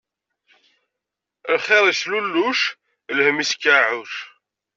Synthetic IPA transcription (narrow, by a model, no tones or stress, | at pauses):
lχeðˤislulːuʃ | lhəmisə̥kːaʕʊʃ